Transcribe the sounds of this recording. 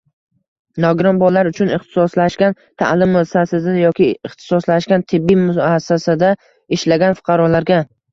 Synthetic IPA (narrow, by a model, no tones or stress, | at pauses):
nɒɡɾɒmbɒlaɾʊt͡ʃʰʊnɪχt̪ʰɪ̥sɒslaʃkʲan | t̪ʰa̰lɪmːʊsasɪznjɒkʲɪɪχt̪ʰɪ̥sɒslaʃkʲant̪ʰɪbːimʊasːasad̪a | ɪʃlaɡʲanfʊ̥qʰɑɾɒlaɾɡʲa